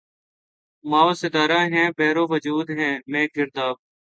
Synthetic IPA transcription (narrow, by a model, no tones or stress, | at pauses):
maːʋsɪd̪aːɾãːɦɛ̃ːpɛːɾoːʋəd͡ʒuːd̪ɦɛ̃ːmẽːkɪɾt̪aːb̚